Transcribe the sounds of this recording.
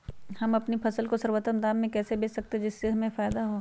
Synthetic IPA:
hɐmɐpnipʰɐsəlkosɐɾwət̪əmd̪aːmːẽkɛːsebeːt͡ʃsɐk̚t̪ed͡ʒɪsːeɦɐmẽfaːɪd̪aɦo

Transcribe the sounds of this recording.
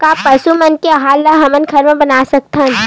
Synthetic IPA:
kaːpɐsumɐnkeɐɦaːlːaɦɐmənkʰɐɾmẽbɐnaːsɐk̚t̪ən

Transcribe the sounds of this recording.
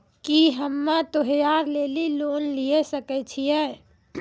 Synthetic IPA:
kiɦəmːat̪əɦjaɾleːliloːnliesəkɛt͡ʃʰijɛ

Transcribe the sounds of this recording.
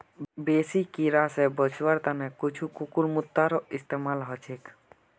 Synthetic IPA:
besikiɾasɛbɔt͡ʃʰwaɾt̪anɛkut͡ʃʰukukuɾmut̪ːaɾɔist̪emalɦɔt͡ʃʰek

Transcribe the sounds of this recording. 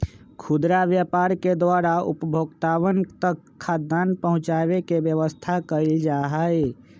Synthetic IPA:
kʰud̪ɾaʋjəpaːɾked̪waɾaʊ̰pəbʱoːɡt̪awənt̪əkʰːad̪ːanpəɦʊ̃t͡ʃabekebjəʋəst̪ʰakəɪld͡ʒaɦəj

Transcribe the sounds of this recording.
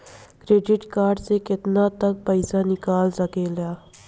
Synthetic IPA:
kɾeːɖɪʈkaːɾɖsekɪt̪nat̪ɐk̚pəɪsanɪkaːlsɐkeljaː

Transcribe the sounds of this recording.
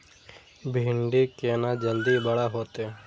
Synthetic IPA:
bʱiɳɖiːkeːnad͡ʒəld̪ibəɽaɦoːt̪eː

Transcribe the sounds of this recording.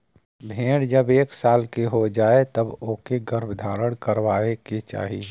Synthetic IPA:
bʱẽːɽd͡ʒəbeːksaːlkeɦod͡ʒaːet̪ɐboːkeɡəɾbʱd̪ʱaːɽəɽ̃kəɾʋaːeket͡ʃa̰ːɦi

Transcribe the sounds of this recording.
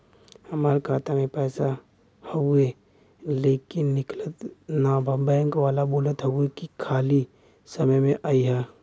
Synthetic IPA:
hɐmaːɾkʰaːt̪amẽpɛːsa | houe | leːkɪnːɪklət̪naːbʱəbɛ̃ːŋkʋaːlaboːlət̪ɦɐɡuekikʰaːli | sɐməjmẽʔaːiɦɛː

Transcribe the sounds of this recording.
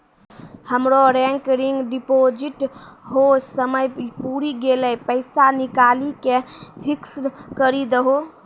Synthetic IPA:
həmɾoɾɛ̃ŋkɾiŋɡɖipod͡ʒiʈɦosəməjpuɾiɡeləjpəɪsanikalikepʰikskəɾid̪əɦo

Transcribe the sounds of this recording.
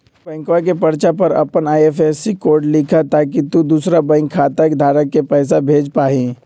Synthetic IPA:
bɛ̃ːŋkʋak̬epɐɾt͡ʃapɐɾɐ̰pənaːjefɛːsikoːɾɖlɪkʰat̪aːk̬it̪ud̪uːsɾabɛ̃ːŋkʰːaːt̪akd̪ʱaːɾəkːepɛːs̬abʱeːd͡ʒpaːĩ

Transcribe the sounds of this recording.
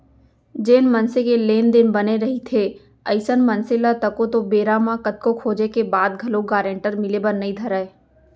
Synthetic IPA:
d͡ʒeːnmɐnsekeleːnd̪ɪnbɐneɾɐɦit̪ʰe | ɐɪsənmɐnsɪlat̪ɐkot̪obeːɾamãkət̪̚kokʰoːd͡ʒekebaːd̪̚ɡʱɐloɡaːɾẽɳʈəɾmɪlebɐɾnɐĩd̪ʱɐɾəeː

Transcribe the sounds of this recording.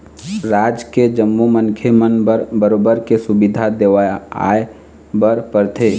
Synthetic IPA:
ɾaːd͡ʒked͡ʒəmːumənkʰemənbəɾbəɾobəɾkesʊbid̪ʱad̪eʋaa̰e | bəɾpəɾt̪ʰe

